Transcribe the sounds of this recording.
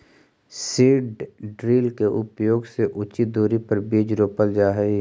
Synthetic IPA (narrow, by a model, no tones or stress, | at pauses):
siːɖɖɾiːlkeʔʊpjoːɡseʔʊt͡ʃid̪oːɾipəɾbeːd͡ʒɾoːpəld͡ʒaːɦɛ